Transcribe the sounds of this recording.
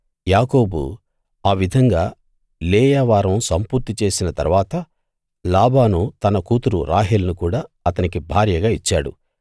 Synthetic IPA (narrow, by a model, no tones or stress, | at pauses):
jaːko̞ːbṵ | aːʋid̪ʱɐŋɡaː | leːjaʋaːɾɐmsɐmpuɾt̪it͡ʃe̞ːsinɐt̪ɐ̰ɾuʋaːt̪ɐ | laːbaːnut̪ɐnɐkuːt̪uɾṵɾa̰ːɦeːlɐnukuːɽaːɐt̪ɐnikibʱaːɾjɐɡaːit͡ʃːaːɽṵ